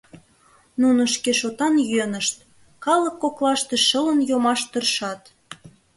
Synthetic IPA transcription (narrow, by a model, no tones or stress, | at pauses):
nunəʃkeʃot̪ɑnjyønəʃt̪ | kɑləkːoklɑʃt̪eʃələnjomɑʃt̪ərʃɑt̪